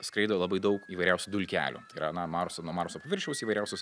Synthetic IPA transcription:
skɾɐɪd̪olˠɐbɐɪd̪ɐʊkiːʋɐɪɾʲæʊsʲud̪ʊlʲkʲæ̰ːlʲṵːt̪ɐɪiːɾɐnɐmɑːɾosonuɔmɑːɾosopɐʋʲɪɾʲʃʲɛʊsiːʋɐɪɾʲæˑʊsʲʊs

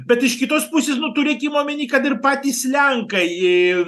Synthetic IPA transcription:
bʲɛt̪ɪʃkʲɪt̪oːspusʲeːsnʊt̪uːɾʲekʲiːmoːmʲɪnʲiːkɐt̪ɪrpɑːt̪ʲiːslʲɛŋkɐɪ

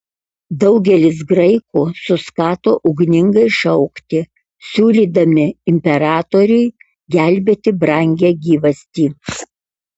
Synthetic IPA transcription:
d̪ɐʊɡʲɛlʲɪs̬ɡɾɐɪkuːsʊskɑːt̪oːʔʊɡnʲɪŋɡɐɪʃɐʊkt̪ʲɪ | sʲuːlʲiːd̪ɐmʲɪɪmʲpʲɛɾɑːt̪oːɾʲʊɪ | ɡʲæˑlʲbʲeːt̪ʲɪbɾɐˑŋʲɡʲɛːɡʲiːʋɐsʲt̪ʲiː

